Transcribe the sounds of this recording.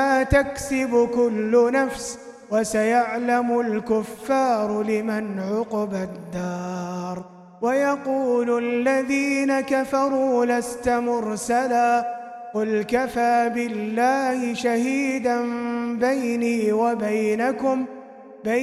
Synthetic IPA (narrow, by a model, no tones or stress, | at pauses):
aːt̪aksɪbʊkʊlːʊnafs | wasajaʕlamʊlkʊfːɑːɾˤlɪmanʕʊqbad̪ːɑːɾˤ | wajɑquːlʊalːaðiːnakafɑɾˤuːlast̪amʊɾsalaː | qʊlkafaːbɪlːaːhɪʃahiːd̪anbajniːwabajnakʊm | ba